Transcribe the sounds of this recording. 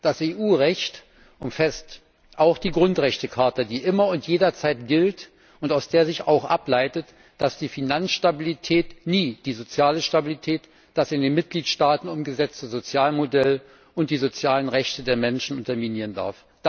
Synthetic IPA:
d̥aseːʔuːʁɛçt | ʔʊmfɛst | ʔaʊxd̥iːɡʁʊntʁɛçtəkʰaɐtɐdiːʔɪmɐʊntjeːdɐt͡saɪtɡ̥ɪlt | ʔʊntaʊsd̥eːɐzɪça̰ʊxʔa̰plaɪtət | d̥asd̥iːfinansʃtabilitʰɛːtniːd̥iːzot͡sjaːləʃtabilitʰɛːt | d̥asɪndeːnmɪt̚ɡ̥liːtʃtaːtn̩ʊmɡəzɛt͡stəzot͡sjaːlmodɛl | ʔʊnt̚d̥iːzot͡sjaːlənʁɛçtədeːɐmɛnʃn̩ʔʊntɐminiːʁənda̰ɐf | d̥

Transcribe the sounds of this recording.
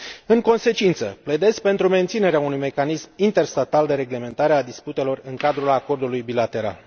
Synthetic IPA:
ɨŋko̞nse̞t͡ʃint̪sə̰pled̪e̞sk̚ʲpe̞nt̪ɾume̞nt̪sine̞ɾeaunujme̞kanismint̪e̞rst̪at̪ald̪e̞ɾe̞ɡle̞me̞nt̪aɾe̞ad̪isput̪e̞lo̞rɨŋkad̪ɾulako̞rd̪ulujbilat̪e̞ɾa̰l

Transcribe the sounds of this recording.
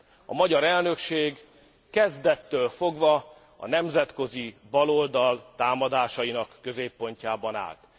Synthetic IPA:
ɒ̰mɒɟɒɾɛlnø̞kʃeːɡ | kɛzd̪ɛt̪ːøːlfo̞ɡʋɒ | ɒ̰n̪ɛmzɛt̪ko̞zibɒlo̞ld̪ɒlt̪aːmɒd̪aːʃɒjinɒkːø̞zeːpːo̞ɲcaːbɒna̰ːlt̪

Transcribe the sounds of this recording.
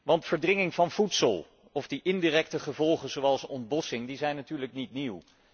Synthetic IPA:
ʋɑntfəɹdrɪŋɪŋvɑnv̥utsəlˠ | ɔvdiʔɪndiːrɛk̚təχəvɔlˠχəzowɑlˠsɔnd̚bɔsɪŋdizɛjnːatyːɹləknitniw

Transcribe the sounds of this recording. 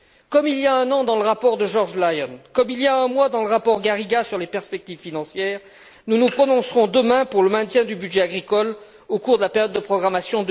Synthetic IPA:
kɔmilijaɛ̃nɑ̃d̪ɑ̃ləʁapɔʁd̪əʒɔʁʒlajɔnkɔmiliaɛ̃mwad̪ɑ̃ləʁapɔʁɡaʁiɡasyʁlepɛʁspɛk̚t̪ivfinɑ̃sjɛːʁ | nunupχɔnɔ̃sʁɔ̃d̪əmɛ̃puʁləmɛ̃t̪jɛ̃d̪ybyd̪ʒɛaɡʁikɔl | okuʁd̪əlapeʁjɔd̪ːəpχɔɡʁamasjɔ̃d̪

